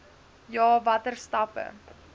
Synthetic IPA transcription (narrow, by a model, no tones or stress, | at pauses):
jɑːvɐtərstɐpə̰